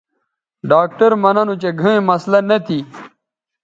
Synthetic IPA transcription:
ɖaːk̚ʈɐɾmɐnɐnut͡ɕeɡʱɐẽmɐslɐnɐt̪ʰi

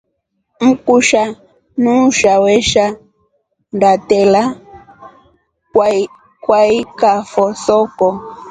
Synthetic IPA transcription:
m̩kuʃa | nuʃawɛʃa | ndatɛla | kwaikafɔsɔkɔ

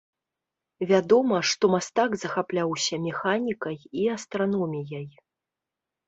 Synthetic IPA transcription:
vʲad̪ɔmɐʂt̪ɔmast̪aɡzɐxaplʲawsʲɐmʲɛxanʲikɐjiast̪ɾanɔmʲijɐj

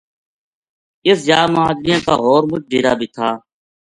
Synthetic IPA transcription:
ɪsjaːmaːd̪ɾɪjãːkaːɦoːɾmʊt͡ʃ̚ʰɖʱiːɾaːbʱiːt̪ʰaː

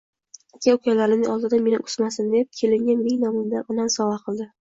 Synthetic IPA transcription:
akʲaʊkʰʲalaɾɪnɪʔɒlˠd̪ɪd̪ame̞nɪʊ̥smasɪnd̪e̞p̚kʲʰe̞lɪŋɡʲanbeŋnɒmɪmd̪anɒnansɒvaqʰɨlˠd̪ɪ

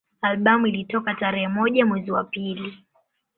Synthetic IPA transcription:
alɓamuilitɔkataɾɛhɛmɔʄamwɛziwapili

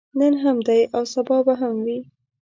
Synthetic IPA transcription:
nənɦamd̪ajʔawsabɑbaɦamwi

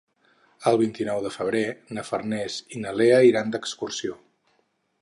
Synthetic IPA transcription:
əlˠβ̞int̪inɔwðəfəβ̞ɾenəfərnɛzinəleəiɾand̪əkskursio

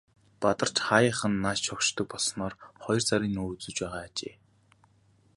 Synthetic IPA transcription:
pat̪ə̆r̥t͡ɕχajə̆ːχə̆nːaʃt͡ɕʰɔkʃt̪ʰɞ̆k̚pɔɮsnɔːrχɔjɞ̆rt͡sʰaɾʲiːnuːt͡sɵ̆t͡ɕpæːʁaːat͡ɕeː

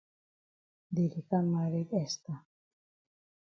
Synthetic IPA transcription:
d̪iɾikanmaɾekest̪a

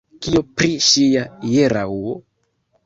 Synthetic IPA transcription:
kiopɾiʃijajeɾauo

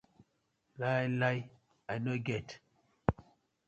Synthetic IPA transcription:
laalaj | anoɡɛt

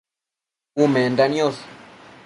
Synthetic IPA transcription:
umɛndaniɔs

